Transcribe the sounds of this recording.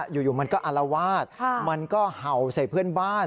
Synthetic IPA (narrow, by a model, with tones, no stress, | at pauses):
juː˨˩juː˨˩ma˧nkɔː˥˩ʔa˧la˧waː˥˩t̪̚ʰma˧nkɔː˥˩ha˨˩˦wsa˨˩jpʰɯ˥˩ənbaː˥˩n